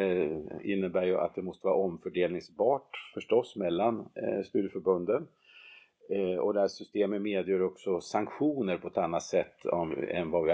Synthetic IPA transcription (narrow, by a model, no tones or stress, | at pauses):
ɪnːəbæːɾjɵʔa̰t̪̚d̪ɛmɔst̪əvɑːɾaɔmfœɖeːlnɪŋsbɑːʈfœʂʈɔsːmɛlːanst̪yːɾəfœɾbɵnd̪ən | ɔ̰d̪ɛhæʂʏst̪eːmət̪meːd̪jøːɾɔksɔsaŋkɧuːnəɾpʰɔɛt̪anːat̪sɛt̪ːɔ̰mɛ̰nvavɪ